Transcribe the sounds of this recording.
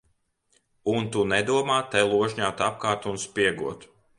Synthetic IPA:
unt̪unɛd̪uɔmaːt̪ɛlˠuɔʒɲaːt̪ap̚kaːɾt̪unspiɛɡṵɔt̪

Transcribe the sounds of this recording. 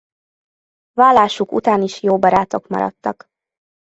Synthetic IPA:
vaːlːaːʃukṵt̪aːniʃjoːbɒɾaːt̪o̞kmɒ̰ɾɒ̰t̪ːɒk

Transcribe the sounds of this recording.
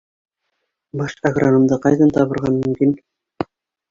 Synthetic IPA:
bɑʃaɡranɤ̆md̪ɤqɑjðɑnt̪ɑβɤ̆ɾʁɑnmɵ̆mkin

